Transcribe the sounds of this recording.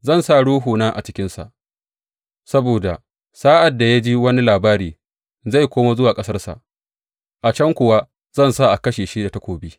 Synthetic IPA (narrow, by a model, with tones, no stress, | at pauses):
zɐ˦˨nsa˦ɽuː˦ɦuː˨naː˦ʔa̰˨t͡ʃɪ˦kʲɪ˦nsa̰˨ʔ | sɐ˦boː˨da˨ | saː˦ʔa˨dːa˨ja˦d͡ʒiː˦wɐ˦ni˦laː˨baː˦ɾiː˨ | za˦˨jkʷoː˦ma˦zʊ˦waː˨kʼɐ˦sɐ˦rsa̰˨ʔ | ʔa˨t͡ʃɐ˦ŋkʷʊ˨wa˦ | z̥ɐ˦˨nsa˦ʔa˨kɐ˦ʃeː˨ʃi˦da˨ta˦kʷoː˨biː˦